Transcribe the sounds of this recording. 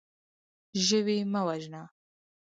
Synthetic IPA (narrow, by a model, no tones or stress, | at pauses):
ʒəwimawaʒna